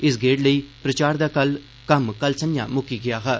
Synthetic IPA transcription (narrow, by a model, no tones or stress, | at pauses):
ɪs̬ɡeːʈləiːpɾət͡ʃaːɾd̪aːkəl | kəmkəlsə̃njã̰ːmʊkiːɡɪjaːɦɛː